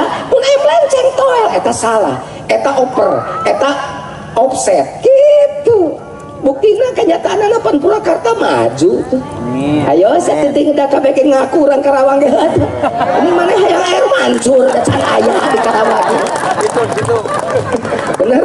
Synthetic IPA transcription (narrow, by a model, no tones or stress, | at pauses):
pʊnɛmlɛɲt͡ʃɛŋt̪ɔʔet̪asala̰h | et̪aʔɔpəret̪a | ɔp̚sɛt̪̚kit̪u | buk̚t̪inakəɲat̪aːnanapənpulakart̪ama̰d͡ʒut̪ʊ | ajɔsiat̪ənt̪ɪŋədakabɛkɛŋakuɾankaɾawaŋaɦat̪unəmanaɦajaŋaɛɾmaɲt͡ʃʊraat͡ʃana̰jadikaɾawana | t̪ | bənər